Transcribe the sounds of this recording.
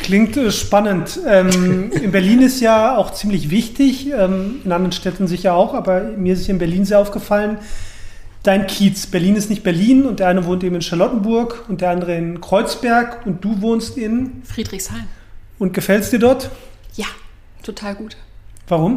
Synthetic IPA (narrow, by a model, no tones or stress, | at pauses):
klɪŋktɛʃpanəntɛːmɪnbɛɐliːnɪstjaːaʊxt͡siːmlɪçvɪçtʰɪçɛːmɪnʔandəʁən̩ʃtɛtn̩zɪçɐaʊxʔaːbɐmiɐɪstsjaːɪnbɛɐliːnzeːɐʔaʊfɡ̥əfalən | d̥aɪnkʰiːt͡sb̥ɛɐliːnɪstnɪçt̚b̥ɛɐliːnʊntdeːɐʔaɪnəvoːntʔeːbmɪnʃaɐlɔtn̩bʊɐkʊntd̥eɐʔandəʁəɪnkʁ̥ɔʏt͡sb̥ɛɐkʊnt̚d̥uːvoːnstɪnfʁ̥iːdʁɪçshaɪm | ʊnt̚ɡ̥əfɛlstd̥iːɐdɔɐtjaː | tʰotʰaːlɡuːtv̥aʁʊm